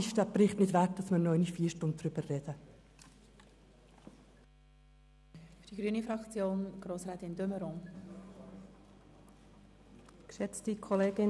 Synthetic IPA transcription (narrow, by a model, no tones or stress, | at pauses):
ɪʃd̥æːbɾɪχtnɪdʋæk̚d̥ɑsmənɔʏnifiːʃtʊn̚dɾʏb̥ərrɛd̥ə | fd̥iɡɾyənifɾɑkt͡sjoːnɡ̥ɾoːsʁɾɛːtɪndøməɾon | kʃɛt͡stikʰoleːɡ̥ɪ